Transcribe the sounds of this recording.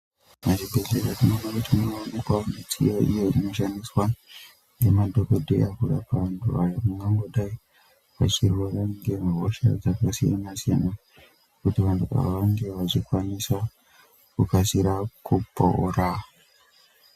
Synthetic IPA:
mat͡ʃibʱeɮeɾatinonakutinoʋanikwaonet͡sḭjaʔḭjeino̞ʃandiswa | ŋɡe̞madʱo̞kodʱḛakuɗapaʋantʰuajakuŋɡamɡoɗai | ʋat͡ʃirwoɾaŋɡe̞mɦoʃa̰d͡zakasija̰nasija̰na | kutiʋantuʋa̰ʋaŋɡeʋat͡ʃikwanisa | kukasiɾakupo̰o̰ra

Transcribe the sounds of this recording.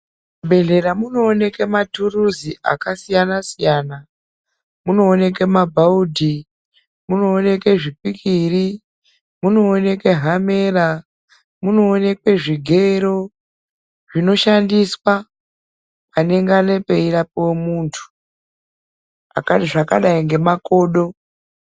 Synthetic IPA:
mubʱe̞ɮe̞ɾamuno̞ːne̞ke̞maturuziʔa̰kasijanasijaːna | muno̞ːne̞ke̞mabʱaudʱi | muno̞ːne̞keʐip̚ikiri | muno̞ːne̞ke̞ɦame̞ːra | muno̞ːne̞kwe̞ʐiɡʱe̞ɾo̞ | ʐ̥ino̞ʃandiswa | ane̞ŋɡane̞pe̞iɾapowemuːntʰu̥ | a̰katiʐaka̰ɗaiŋɡe̞mako̞ːɗo̞

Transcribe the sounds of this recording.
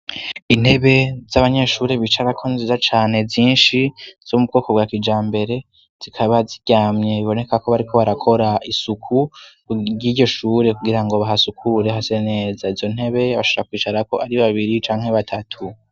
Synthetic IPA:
in̥he̞βe̞zaβaɲe̞ʃuːɾeβiːt͡ʃaɾakʰonzizat͡ʃaːne̞ziːnʃiz̥omub̚ɡo̞ːko̞bɡakid͡ʒaːmbe̞ɾe̞ | z̥ikʰaβaziɟ̥aːmɲe̞βiβo̞ne̞kako̞βaɾikʰo̞βaɾakʰo̞ɾaʔisukʰu | ɟiːɟo̞ʃuːɾe̞kuɡiɾaŋɡo̞βaɦasukʰuɾe̞ɦasene̞ːzaizo̞n̥he̞βe̞βaʃooɾakwiːt͡ʃaɾako̞aɾiβaβiɾit͡ʃaːŋhe̞βatʰatʰu

